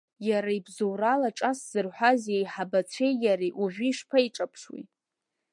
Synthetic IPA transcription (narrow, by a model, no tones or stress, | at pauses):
jaɾaibzowɾalaʈ͡ʂʼasz̥ɨrħʷazejħabat͡ɕʷʰejjaɾiʔuʒʷᶣiʂpʰaiʈ͡ʂʼapʰʂwḭ